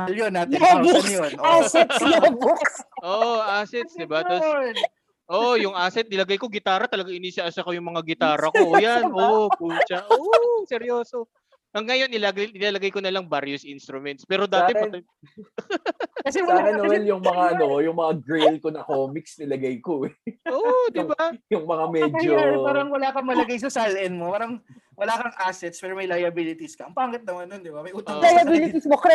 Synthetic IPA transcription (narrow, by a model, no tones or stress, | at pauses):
jonːaːtɪbonjoaːsɛtobokʔoːʔoʔaːsɛt̪sd̪ɪbat̪os | ʔoʔojʊŋʔaːsɛt̪̚nɪlɐɡajkoɡɪt̪aːɾɐt̪ɐlɐɡaŋʔɪniːsɐʔɐsɐkojʊŋmɐŋaɡɪt̪aːɾɐkojanʔoʔkunt͡ʃɐʔosɛɾjo̞ːso | ʔɐŋːajo̞nʔɪlaɡɪlaːlɐɡajkonɐlɐŋbaɾjʊsʔinst̪ɾʊmɛnt̪̚spɛːɾo̞d̪aːɛpɐ | kɐsɛwɐlakɛɐwɛljʊŋmɐŋaʔɐnojʊŋmɐŋaɡɾejlkonɐkoːmɪksnɪlɐɡajkoɛʔoːd̪ɪbajʊŋmɐŋamɛd͡ʒopaːɾɐŋwɐlaːkɐŋmɐlɐɡajs̬ɐsalɛnmopaːɾɐŋ | wɐlaːkɐŋʔaːsɛt̪spɛːɾomɐjlɐjɐbilɪt̪iskɐɐmpaːŋɪt̪̚nɐmɐnːond̪ɪbamɐjʔuːt̪ːlɐjɐbilɪt̪ismokɾɛ